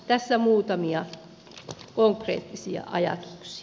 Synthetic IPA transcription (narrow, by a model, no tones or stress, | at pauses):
t̪æsːæmuːt̪ɑmiɑ | koŋkrḛːt̪ːisiɑ̰ʔɑjɑ̰t̪u̥ksi̥